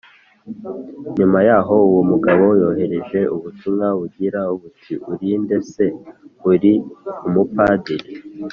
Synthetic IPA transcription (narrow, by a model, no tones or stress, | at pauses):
ɲumajaːɦo̞uwomuɡaβo̞jo̞ːɦe̞ɾe̞ʒe̞ʔuβutumŋaβuɟiɾauβutʰiʔuɾinde̞se̞uɾiumupaːdiɾi